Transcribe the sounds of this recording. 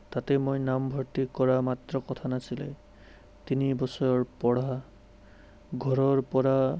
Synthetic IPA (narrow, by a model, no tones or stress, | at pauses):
t̪at̪ɛmojnambʱɔɹtikɔɹamat̪ɹɔkɔt̪ʰanasilɛ̰ | t̪inibɔsɔjɔɹpɔɽ̤a | ɡʱɔɹɔɹpɔɹa